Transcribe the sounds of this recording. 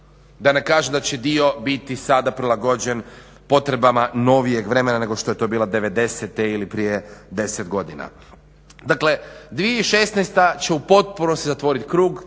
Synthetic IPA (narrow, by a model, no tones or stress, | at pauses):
d̪anekaːʒemd̪at͡ɕed̪io̞bit̪isad̪apɾilˠaɡo̞d͡ʑen | po̞t̪ɾe̞bamano̞ʋije̞ɡʋɾe̞me̞nane̞ɡo̞ʃt̪o̞je̞t̪o̞ːbiːlad̪e̞ʋe̞d̪e̞set̪eilipɾijed̪e̞set̪ɡo̞d̪ina̰ | d̪akle̞d̪ʋieiʃest̪nejst̪at͡ɕeupo̞t̪̚punost̪izat̪ʋo̞ːɾit̪kɾuːɡ